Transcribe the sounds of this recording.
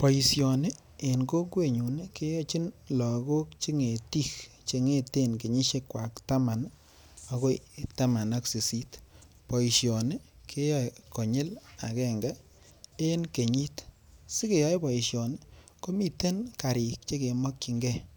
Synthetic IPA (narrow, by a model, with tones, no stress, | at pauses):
pɔ˨ji˨sjo˨ne˦ | e˨nɡo˦kwe˦ɲu˨ne˦ke˦jɔ˦t͡ʃi˦nlɔ˨ɡo˦kt͡ʃi˦ŋe˨ti˦˨k | t͡ʃe˧ŋe˦te˦nke˨ɲi˦ʃe˦kwa˨kta˦ma˨n | o˧ko˦jta˦ma˨na˦ksi˨si˦t | pɔ˨ji˨sjɔ˨ne˦kʰe˦jɔ˦jkɔ˨ɲɪ˦la̰˨kɛ˦˨ŋɡa˦ | e˦nke˨ɲi˦t | si˦ke˨jɔ˦jpɔ˨i˨ʃjɔ˨n˦ | ko˦mi˦˨te˦nka˨ɾi˨k̚t͡ʃe˦ke˨mɔ˦kːi˧ŋɡɛ˦